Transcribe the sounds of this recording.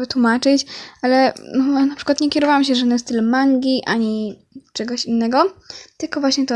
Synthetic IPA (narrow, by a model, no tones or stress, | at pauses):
vɘt̪wumat͡ʂɘt͡ɕalɛnɔnapʂɘkwat̪ɲɛkʲɛɾɔvawamɕ̬ɛʐanɛst̪ːɘlɛmaŋɡʲiʔaɲi | t͡ʂɛɡɔɕinːɛɡɔt̪lkɔvwaɕɲɛt̪ɔ